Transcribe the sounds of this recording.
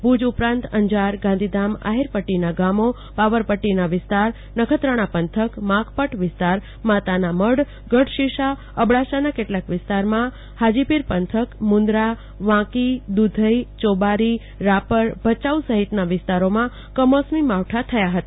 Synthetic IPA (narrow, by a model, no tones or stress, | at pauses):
bud͡ʒupɾãnt̪əɲd͡ʒaɾɡãnd̪ʱid̪ama̰ɦiɾpəʈːinaɡamo | paʋəɾpəʈːinaʋɪst̪aɾ | nəkʰət̪ɾəɽ̃apənt̪ʰəkmãkʰpəʈʰʋɪst̪aɾ | mat̪anaməɽ | ɡəɽʃiʃa | əbɽaʃanakeʈlakʋɪst̪aɾmã | had͡ʒipiɾpənt̪ʰəkmũnd̪ɾa | ʋãkid̪ud̪ʱəit͡ʃobaɾi | ɾapəɾbʱət͡ʃausəɦit̪naʋɪst̪aɾomã | kəmɔsmimaʋʈʰat̪ʰəjaɦət̪a